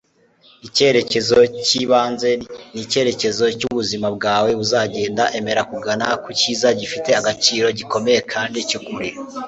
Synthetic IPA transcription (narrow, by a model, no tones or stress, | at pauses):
ice̞ɾe̞ce̞zo̞ciβaːnze̞ninice̞ɾe̞ce̞zo̞cuβuzimabɡaːwe̞βuzaːɟe̞ːndaʔe̞me̞ɾakuɡanakuciːzaɟifite̞aɡat͡ʃiːɾo̞ɟiko̞me̞je̞kʰaːndicukuɾe